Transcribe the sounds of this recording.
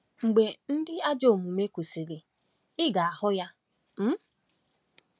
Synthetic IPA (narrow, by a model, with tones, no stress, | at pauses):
ŋ͡m̩˨ɡ͡be˨n̩˦dɪ˦a˦d͡ʒo˦˨mu˨me˦ku˨si˨ɾi˨ | ɪ˦ɡa˨a˨hʊ˦ja˦ | m̩˦